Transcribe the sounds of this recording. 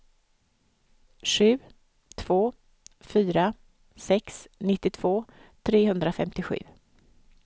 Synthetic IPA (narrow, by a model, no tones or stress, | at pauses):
ɧʉ̟ː | t̪ʰv̥oː | fyːɾa | sɛksnɪt̪ːɪt̪ʰv̥oːt̪ʰɾeːɦɵnd̪ɾafɛ̰mt̪ɪɧʉ̟̰ː